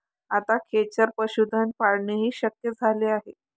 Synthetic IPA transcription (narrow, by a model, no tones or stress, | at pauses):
at̪akʰet͡ɕəɾpəɕud̪ʱənpaɽɳeɦiːɕəkjəd͡zʱaleaɦe